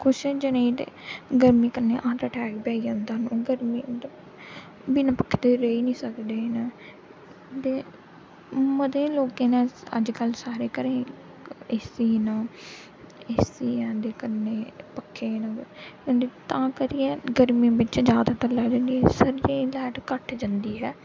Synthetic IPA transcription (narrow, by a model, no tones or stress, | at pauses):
kʰʊʃɛ̃ːd͡ʒənẽd̪ḛːɡəɾmĩːkəɾneːʔãːɾaːʈʰɛːkbɛːiːãnd̪aːnoːɡəɾmĩːd̪ | biːnãːpəkʰːd̪eːɾəiːnĩːsəkd̪eːna | t̪eː | məd̪ẽːloːkẽːnãːə̰d͡ʒkəlsaːɾeːkəɾẽː | ɪsiːnãː | esiːãːd̪eːkəɾneːpəkʰːeːnãːnd̪eːt̪ãːkəɾiːɛ̃ːɡəɾmĩbɪt͡ʃd͡ʒjaːd̪aːt̪əɾlaːd͡ʒənd̪iːsəɾɾẽːlɛːʈkəʈd͡ʒə̃nd̪iːɦɛː